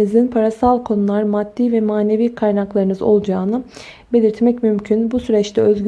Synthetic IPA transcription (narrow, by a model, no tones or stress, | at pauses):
izinpʰaɾasalˠkʰo̞nulˠaɾmad̪̥ːiːvɛmaːne̞viːkʰajnaklˠaɾɯnɯzo̞lˠd͡ʒaːnɯ | be̞lʲiɾt̪mɛcmymcʰynbusyɾɛt͡ʃlʰɛøzɟ